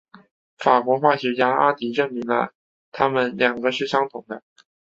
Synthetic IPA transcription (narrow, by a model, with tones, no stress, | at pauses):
fa˨˩kwɔ˧˥xwa˥˩ɕɥɛ˧˥t͡ɕja˥a̰˥t̪i˧˥ʈ͡ʂɤ˥˩ŋmi˧˥ŋlə̰˧ | t̪ʰa˥mə˨nljɑ˨˩ŋɡə˦ʂɻ̩˥˩ɕjɑ˥ŋt̪ʰʊ˨˩ŋd̪ə˦